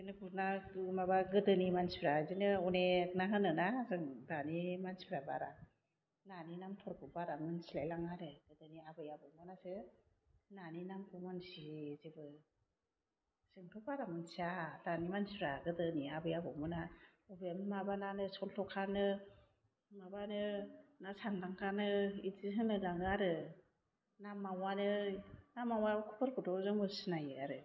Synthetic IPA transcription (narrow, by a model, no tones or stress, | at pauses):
zinɯbuɾnamabaɡɯdɯnimansibɾazinɯɔnek̚naŋɯnɯnazɯŋdanimansi̥bʰɾabaɾa | naninamtʰɔɾkʰubaɾamɯnsilajlaŋaɾɯɡ̥ɯdɯniabɯjabɯmɯnasɯ | naninamkʰumansizibɯ | sɯŋpʰɯbaɾamɯnsadanimansuɾaɡɯdɯniabɯjabɯmɯna | ubemmabananɯsɔltʰɔkʰanɯ | mabanɯnasaŋlaŋkʰanɯiziɦɯŋlɯlaŋɯaɾɯ | namawanɯnamːawajkʰu̥pʰɯɾkudɔzɯŋmɯsɯnajɯaɾɯ